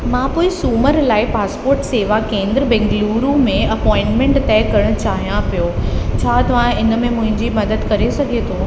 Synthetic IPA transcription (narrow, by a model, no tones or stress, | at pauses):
mãːpoːɪsuːməɾlaːɪpaːspoːɾʈseːʋakẽːnd̪ɾəbɛ̃ŋɡluːɾũmẽɐpɔːɪ̃ɳʈmẽɳʈt̪ɛɪkɐɾəɽ̃ʊt͡ɕaːɦijãpijot͡ɕʰaːt̪ɐʋ̤ãɪnə̆mẽmʊ̃ɦɪ̃ɲd͡ʑimɐd̪əd̪kɐɾesɐɡʱet̪ʰoː